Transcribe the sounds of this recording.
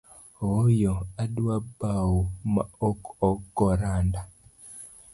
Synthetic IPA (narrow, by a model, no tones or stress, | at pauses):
ɣojɔadwabawumaɔkɔɡɔɾanda